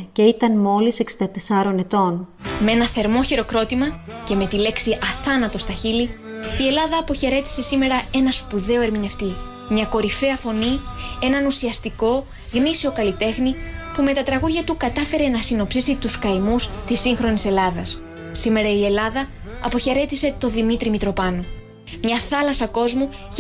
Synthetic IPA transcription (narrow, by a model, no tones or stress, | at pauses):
ce̞it̪ɐnmo̞liseksind̪ɐt̪esɐɾo̞ne̞t̪o̞n | me̞nɐθe̞ɾmo̞çeɾo̞kɾo̞t̪imɐce̞me̞t̪ile̞ksiʔɐθɐnɐt̪o̞st̪ɐçili | ie̞lɐðɐːpo̞çe̞ɾe̞t̪i̥se̞sime̞ɾɐe̞nɐspuðe̞oe̞ɾmine̞ft̪i | mɲɐko̞ɾife̞ɐfo̞nie̞nɐnusiɐst̪iko̞ | ɣnisio̞kɐlit̪e̞xnipume̞t̪ɐt̪ɾɐɣuðʝɐt̪ukɐt̪ɐfe̞ɾe̞nɐsino̞psisit̪uskɐjmust̪isiŋxɾo̞nise̞lɐðɐsː | ime̞ɾɐie̞lɐðɐ | ɐpo̞çe̞ɾe̞t̪ise̞t̪o̞ðimit̪ɾimit̪ɾo̞pɐno | mɲɐθɐlɐsɐko̞zmu